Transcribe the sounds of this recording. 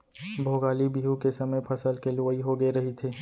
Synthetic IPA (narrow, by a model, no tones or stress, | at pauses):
bʱoːɡaːlibiːɦũkesɐməjpʰɐsəlkeloiɦoɡəeɾɐɦit̪ʰeː